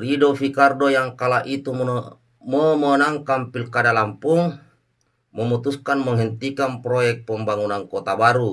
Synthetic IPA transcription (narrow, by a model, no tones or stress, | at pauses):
ridofikardojaŋkalaʔit̪um | momonaŋkampilkadalampuŋ | mɔmut̪uskanməŋɦɛnt̪ikanpɾojɛk̚pɔmbaŋunaŋkot̪abaɾu